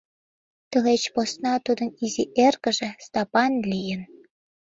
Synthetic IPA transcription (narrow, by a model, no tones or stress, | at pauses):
t̪ə̆let͡ɕposnɑt̪ud̪ɤ̆niziʔerkə̆ʒĕst̪ɑpɑnlʲijə̆n